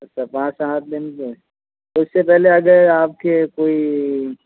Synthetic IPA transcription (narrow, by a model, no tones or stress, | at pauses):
sɐpãːsãt̪̚lenk̪e | ʊsːepɛɦleɐɡəɾaːp̚kekoːi